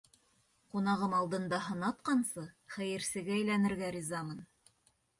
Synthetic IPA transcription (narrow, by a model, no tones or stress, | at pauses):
qunɑʁɤmɑlˠd̪ɤ̆nd̪ɑɦɤ̆nɑt̪qɑnsɤχæjɘ̆ɾsɘ̆ɡɘæjlænɘ̆ɾɡæɾʲizɑmɤn